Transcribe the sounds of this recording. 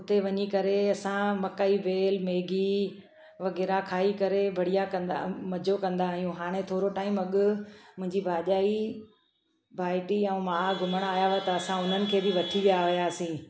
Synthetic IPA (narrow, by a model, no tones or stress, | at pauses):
ʊt̪eʋɐɲikɐɾeɐsãmɐkaːibeːlmeːɡi | ʋɐɣɛːɾakʰaːikɐɾebʱɐɽijakɐ̃nd̪a̰mɐd͡ʑʱokɐ̃nd̪aːɦijũɦaːɽ̃ẽt̪ʰoːɾoʈaːɪmɐɠʊmʊ̃ɦɪ̃ɲd͡ʑibʱaːʄaːi | bʱaːɪʈiɐ̃ũmaːɡʱʊməɽ̃aːjaʋet̪ɐːsãʊn̤ənɪ̆kʰeːbiʋɐt̪ʰiʋijaɦʊjaːsĩː